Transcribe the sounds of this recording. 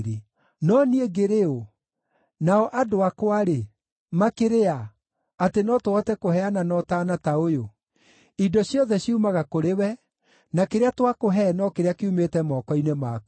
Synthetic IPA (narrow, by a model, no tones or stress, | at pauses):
ɾe | nɔnieɡeɾeo | naɔʔadoakoaɾe | makeɾea | atenɔtoɔtɛkoɦɛananɔtaːnataojo | idɔɕjɔðɛɕiumaɣakoɾewɛ | nakeɾeatwakoɦɛnɔkeɾeakeumetɛmɔːkɔinemaːku